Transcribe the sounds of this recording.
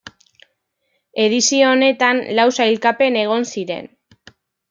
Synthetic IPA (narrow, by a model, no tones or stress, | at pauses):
e̞ðisioːne̞t̪anlawsajlkape̞ne̞ɣ̞o̞nsiɾe̞̰n